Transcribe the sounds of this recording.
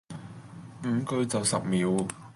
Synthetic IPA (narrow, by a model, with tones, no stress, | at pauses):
m̩˨˩˥kɵ˧ɥt͡sɐ˨wsɐ˨p̚miː˨˥w